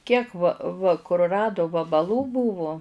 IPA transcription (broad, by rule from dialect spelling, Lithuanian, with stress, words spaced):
kʲiɛk ʋɐ ʋɐ kʊrˈrɑːdʊ ʋɐbɐlˠuː ˈbuːʋʊ